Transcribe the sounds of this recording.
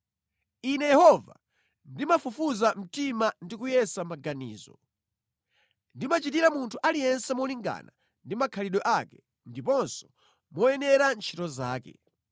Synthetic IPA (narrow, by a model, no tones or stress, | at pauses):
inɛjɛhɔva̰ | ndimafufuzam̩timandikujɛsamaɡanḭːzɔ̰ | ndimat͡ʃitiɾamuntʰuʔalijɛnsɛmɔliŋɡa̰na | ndimakʰaliɗɔʔakɛ̥ | ndipɔnsɔ̥ | mɔjɛnɛɾant͡ʃʰitɔzaːkɛ̰